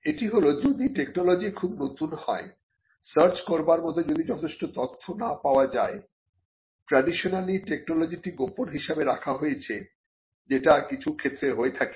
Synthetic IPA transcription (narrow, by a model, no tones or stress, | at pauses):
eʈiɦolod̪ɾud̪iʈeknolod͡ʑikʰubnot̪unhɔ̰e | səɾt͡ɕkoɾbaɾmɔt̪od͡ʑod̪id͡ʑɔt̪ʰeʃʈot̪ɔt̪ʰːonapaoad͡ʑae | pɾaɖiʃonaliʈek̚nolod͡ʑiʈiɡoponɦiʃabeɾakʰaɦojet͡ɕʰe | d͡ʑeʈakit͡ɕʰukʰet̪ːɾeɦoet̪ʰake̥